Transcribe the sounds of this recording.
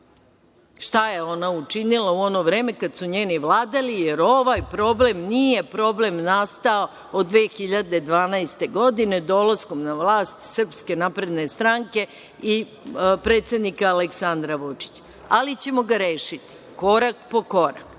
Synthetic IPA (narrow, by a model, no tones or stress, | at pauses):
ʃt̪aje̞o̞naut͡ʃinilauo̞no̞ʋɾe̞ːme̞kad̪suɲeːniʋlˠaːd̪alije̞ɾo̞ʋajpɾo̞ble̞mnije̞pɾo̞ble̞mnast̪ao | od̪ʋeːxiʎad̪e̞d̪ʋaːnaest̪e̞ɡo̞d̪ine̞d̪o̞lˠasko̞mnaʋlaːst̪sr̩pske̞naːpɾe̞d̪ne̞st̪ɾaŋke̞ | i | pɾe̞ːt̪sʲe̞d̪nikaːleksand̪ɾaʋut͡ʃi̥t͡ɕ | alit͡ɕe̞mo̞ɡaɾe̞ːʃit̪i̥ | ko̞ɾakpo̞ko̞ɾa̰k